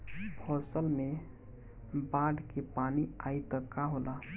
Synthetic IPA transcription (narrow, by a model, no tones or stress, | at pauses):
pʰɔsəlme | baɖkepaniajt̪əkaɦola